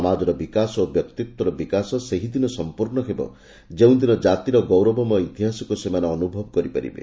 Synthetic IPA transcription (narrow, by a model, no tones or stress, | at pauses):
ɔmad͡ʒɔɾɔbikasɔobjɔkt̪ik̚t̪wɔɾɔbikasɔseɦid̪inɔsɔmpuɾɳɔɦebɔ̰ | d͡ʒeũd̪inɔd͡ʒat̪iɾɔɡɔwɾɔbɔmɔit̪iɦasɔkusemaneɔnubʱɔbɔkɔɾipa̰ɾḭbḛ